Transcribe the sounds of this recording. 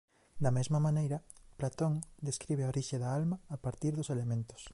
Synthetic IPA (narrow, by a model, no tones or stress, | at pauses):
d̪ɐmezmamãnejɾɐplat̪õŋd̪eskɾiβ̞eoɾiʃeðaalmaːpaɾt̪iɾðoselemẽnt̪o̥s